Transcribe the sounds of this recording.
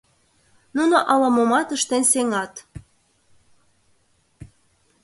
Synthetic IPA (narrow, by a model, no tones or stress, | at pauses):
nunoʔɑlɑmomɑt̪əʃt̪enʲseŋɑt̪